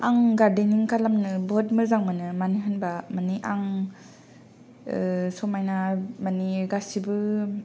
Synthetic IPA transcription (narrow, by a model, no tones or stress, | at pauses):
aŋɡaɾdeniŋkalamnɯbɔt̚mɯɾzaŋmanɯmaniɦɯnbamaniʔaŋ | sɔmajnamaniɡasibɯ